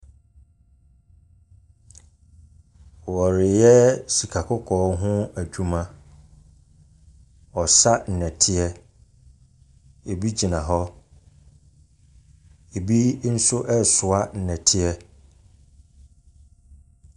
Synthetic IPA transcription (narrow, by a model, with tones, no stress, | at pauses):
wɔ˨ɾɪ˨jɛ˦si˨kʰa˨kʰʊ˦kʰɔː˨˦ɦʊ̃˦æ˨d͡ʑᶣu˦mã˦ | ɔ˨sa˦n̩˨nɛ̃˨tʰɪ˦ɛ˦ | e˨bi˦d͡ʑi˨nã˨ɦɔ˦ | e˨bi˦n̩˦sʊ˦ʔɛ˦sʊ˨a˦n̩˨nɛ̃˨tʰɪ˦ɛ˦